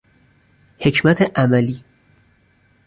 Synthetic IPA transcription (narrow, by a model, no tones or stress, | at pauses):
he̞cʰmæt̪ʰeʔæmæliː